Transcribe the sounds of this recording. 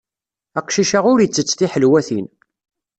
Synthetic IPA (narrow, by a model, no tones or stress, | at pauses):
æqʃiʃaʁʊɾjət͡sːət͡sːθiħəlwæθin